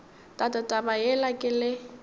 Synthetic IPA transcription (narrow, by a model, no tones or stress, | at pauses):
tʼatʼatʼabajɛlakʼɪlɪ